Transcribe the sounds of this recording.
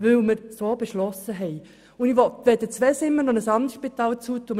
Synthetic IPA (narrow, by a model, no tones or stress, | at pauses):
ʋɵwməɾsoːb̥eʃlɔsəɦɛj | ʊniʋɔt̪ʋedət͡sʋɛsɪmːənɔnəsɑnd̪əʃpit̪ɑːlt͡suːt̪um